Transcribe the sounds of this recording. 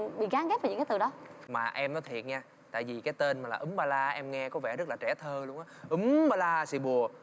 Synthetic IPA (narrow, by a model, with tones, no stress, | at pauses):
ɓḭ˧˨ɣaː˨˦ŋɣɛ˦˥p̚a˨˩˨ɨ̰˧˥kːaː˨˦t̪ɨ˨˩ɗɔ˨˦maː˨˩ʔɛ˧mnɔ˨˦jt̪ʰi˨˩ən̚ɲaː˧ | t̪a̰ː˧˨jvi˨˩kaː˨˦jt̪e˧nmaː˨˩laː˨˩ʔɨ˨˦ŋɓaː˧laː˧ʔɛ˧mŋɛ˧kɔ˨˦vɛ˧˩zə˦˥t̚laː˨˩t͡ɕɛ˧˩t̪ʰəː˧lu˧əŋʔaː˨˦ʔɨ˨˦ŋŋ͡mɓaː˧laː˧sḭ˧˩ɓu˨˩ə